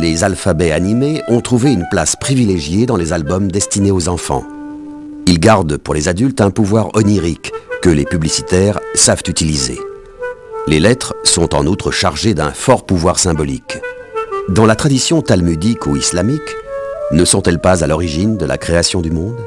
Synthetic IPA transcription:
lezalfabɛanimeɔ̃t̪χuveynplaspχivileʒjed̪ɑ̃lezalbɔmd̪ɛst̪ineozɑ̃fɑ̰̃ | ilɡaʁd̪puʁlezad̪ylt̪ɛ̃puvwaʁɔniʁikːəlepyblisi̥t̪ɛʁsavt̪yt̪ilizḛ | lelɛt̪χəsɔ̃t̪ɑ̰̃nut̪χəʃaʁʒed̪ɛ̃fɔʁpuvwaʁsɛ̃bɔlḭk | d̪ɑ̃lat̪χad̪isjɔ̃t̪almyd̪ikuislamiknəsɔ̃t̪ɛlpazalɔʁiʒind̪əlʔa̰kχeasjɔ̃d̪ymɔ̃d̪

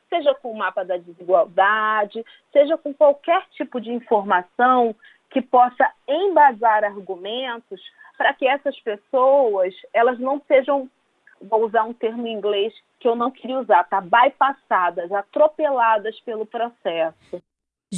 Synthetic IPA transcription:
seʒɐkõʊmapɐd̪ɐd͡ʒɪziɡwawd̪ad͡ʒɪ | seʒɐkõkwawkɛɾt͡ʃipʊd͡ʒɪĩfoɾmasɐ̃w̃ | kɪpɔsɐẽj̃bazaɾaɾɡumẽnt̪ʊs | pɾɐkɪɛsɐspesowɐsɛlɐznɐ̃w̃seʒɐ̃w̃ | vouzaɾũt̪eɾmʊĩŋɡles | kɪewnɐ̃w̃keɾiuzaɾt̪abajpasad̪ɐzat̪ɾopelad̪ɐspelʊpɾosɛsʊ

